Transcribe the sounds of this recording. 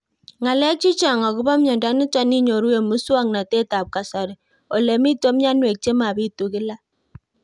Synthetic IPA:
ŋa˨lɛ˦k̚t͡ʃi˦t͡ʃa˨ŋɔ˨ku˦ba˦mjɔ˨nda˨˦ni˦t͡ʃa˦ni˦ɲo˨ɾu˦e˨mu˦swa˦ŋna˨te˦ta˨p̚ka˨sa˨ɾɛ˨ | o˨le˨mi˦to˦mja˦nwe˨k̚t͡ʃe˦ma˨bi˦tu˨kɪ˦la˦

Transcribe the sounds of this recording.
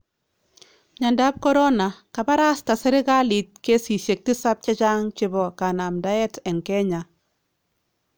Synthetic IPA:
ɲa˨nda˦p̚kɔ˦ɾɔ˦na˨ka˨ba˦ɾa˦sta˨sɛ˦ɾɪ˦ka˦li˨t̚ke˦si˨ʃe˨k̚tɪ˦sa˦p̚t͡ʃɛ˦t͡ʃa˦ŋt͡ʃɪ˦bɔ˨ka˨na˨mda˦ɛ˦tɛ˨ŋkɛ˦ɲa˨

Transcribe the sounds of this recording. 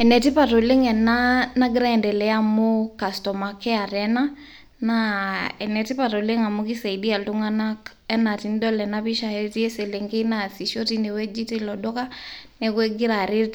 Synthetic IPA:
ɛ˨nɛ˨ti˦pa˨to˨le˦ŋɛ˨na˦na˦ɡɾa˦ɛ˨ndɛ˨lɛ˨a˦mo˦ka˨stɔ˨ma˨kɛ˦a˨ɾɛna˦ | naɛ˨nɛ˨ti˦pa˨ɾo˨le˦ŋa˨mu˦ki˦sa˨i˨di˦a˨ltu˦ŋa˦na˦ | ɛ˦na˨ti˦ndɔ˦lɛ˨na˦pi˦ʃa˨ɛ˦ti˦e˦se˨le˨ŋɡe˦na˨si˨ʃo˦ti˦ne˨wɛ˦d͡ʒi˦ti˦lɔ˨dɔ˦ka˦nɛ˨kɛ˦ɡi˦ɾa˨ɾe˦t

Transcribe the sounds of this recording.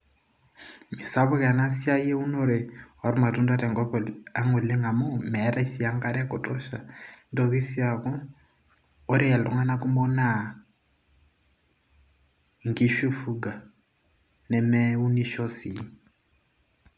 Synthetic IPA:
mi˨sa˦βʊ˦ka˨na˦si˦a˦i˦e˦u˦no˦ɾɪ˨hɔ˨ɾʊ˦ma˨tʼu˦nda˦ta˨ŋɡɔ˦pɔ˨a˦ŋu˨le˦ŋa˨mo˦mɛ˨˦ɾa˦i˦si˦a˦ŋ˦ka˦ɾɛ˦a˦kʼɔ˨tʼɔ˦ʃa̰˨ndɔ˨ki˦si˦a˨kɔ˦ | ɾi˦a˨lɔ̰˨ŋa˦na˦kʼu˦mɔ˦na˦˨ | ŋ˨kʼi˦ʃu˦fu˦ɡa˨ | nɛ˨mɛ˦u˦ni˦ʃɔ˦si˨˦

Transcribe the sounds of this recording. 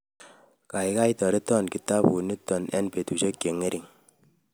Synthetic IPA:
ka˨i˦ka˦i˦tɔ˨ɾi˦tɔ˦˨nki˨ta˦pu˨ni˦tɔ˨nɛ̰˦npe˨tu˨t͡ʃo˦kje˨ŋe˦ɾʔi˨ŋ

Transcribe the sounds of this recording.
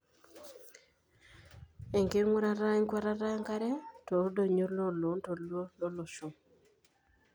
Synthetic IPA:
e˨ŋke˦ɾŋʷwo˦ɾa˦ɾa˦i˦ŋkwa˦ɾa˦ɾa˦ŋka˦ɾɛ˦to˨˦do˨ɲo˦ɾlo˦lo˨˦nto˨lo˦lo˦lɔ˨ʃo˨

